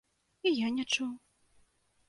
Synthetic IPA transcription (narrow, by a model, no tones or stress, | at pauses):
ijanʲɛt͡ʂuw